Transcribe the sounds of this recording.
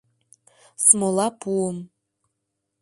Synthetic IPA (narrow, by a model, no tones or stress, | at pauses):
smolˠɑpʰuəm